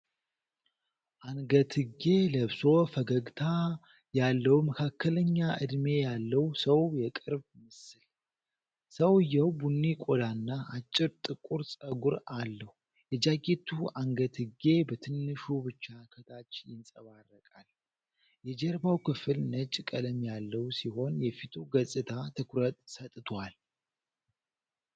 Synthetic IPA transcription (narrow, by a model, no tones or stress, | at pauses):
ʔaŋɡət̪ʰɨɡe̞ləβso̞fəɡəɡt̪ʰa | jalːəwməkʰakːələɲːaɨ̰d̪me̞jalːəwsəwjɛkʼɨɾbmɨsɨl | səwɨjːɛwbunːikʼod̪anːaʔat͡ʃʼːɪɾt̪ʼɨkʼuɾsʼəɡuɾalːəhu | jɛd͡ʒaɡet̪ʰuaŋɡət̪hɨɡe̞bət̪ʰɨnːɨʃubɨt͡ʃːakʰət̪ʰat͡ʃːjɪnsʼəβarːəkʼal | jɛd͡ʒɛɾbawkʰɨfɨlnət͡ʃʼkʼələmjalːəwsiho̞njɛfit̪ʰuɡəsʼɨt̪ʰat̪ʰɨkʰɾət̪ʼsət̪ʼt̪ʰwal